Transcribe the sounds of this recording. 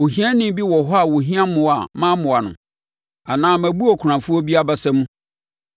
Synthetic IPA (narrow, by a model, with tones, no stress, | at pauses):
o˨ɦĩ˦ã˦nĩ˦m˦bi˦wɔ˨ɦɔ˦a˨wo˨ɦĩ˦ã˦mʊ̃˨˦a˨mã˦mʊ̃˨a˨nʊ̰̃˨ | a˨nãː˦mæ̃˨bu˦ɔ˨kʰʊ˨ɾã˨fʊ˦ɔ˦bi˦a˦bɛ˦sɛ˦mũ˦